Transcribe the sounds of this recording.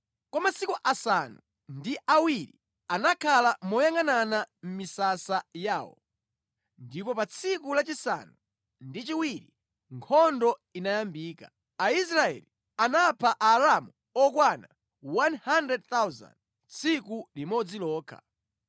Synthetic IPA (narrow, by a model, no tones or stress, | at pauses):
kɔmasikuʔasanu | ndiʔawiɾḭ | anakʰalamɔjaŋananam̩misasajaːwɔ̰ | ndipɔpat͡sʰikulat͡ʃisa̰nu | ndit͡ʃiwiɾi | ŋkʰɔndɔinajambiːka̰ | ais̬ɾaɛ̰li | anapʰaʔaɾamu | ɔkwana | wanhandɛd̚θawza̰nd | t͡sʰikulimɔd͡zilɔːkʰa̰